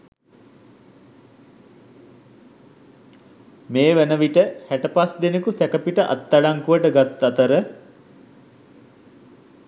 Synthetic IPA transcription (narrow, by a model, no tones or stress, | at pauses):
meːʋænəʋiʈəhæʈəpasd̪enekusækəpiʈəʔa̰t̪ːalaŋkuʋəʈəɡat̪ːat̪əɾə